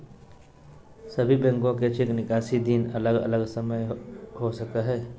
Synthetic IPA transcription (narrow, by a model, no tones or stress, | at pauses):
səbʱibɛ̃ŋkõket͡ʃʰɪknɪkaːʃid̪iːnɐləɡə̰ləɡsəməjɦosəkaɦɛː